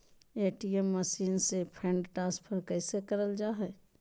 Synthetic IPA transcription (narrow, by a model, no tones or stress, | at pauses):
eːʈiemːəsiːnsepʰẽɳɖʈaːspʰəɾkɛːsekəɾəld͡ʒaːɦɛː